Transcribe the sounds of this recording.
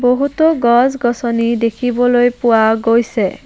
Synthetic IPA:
boɦutɔɡɔzɡɔsɔnidekʰibɔlojpʊwaɡojsɛ

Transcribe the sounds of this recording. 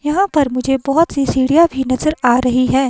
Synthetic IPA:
jɐɦãpɐɾmʊd͡ʒʱebɔɦʊt̪sisiːɽijabʱinɐzəɾaːɾɐɦiɦɛː

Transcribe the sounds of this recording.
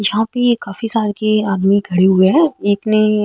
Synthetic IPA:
jɐɦãpekaːfisaːɾkeaːd̪miɡʰʱɐɽeɦʊeɦɛ̃eːkni

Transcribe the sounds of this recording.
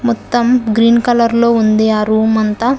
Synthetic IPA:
mɔt̪ːɐmɡɾiːnkɐlɐɾlo̞ːund̪eːɐɾuːmɐnt̪ɐ

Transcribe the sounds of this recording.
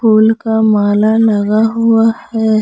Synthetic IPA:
poːlkamaːlalɐɡaɦʊahɛː

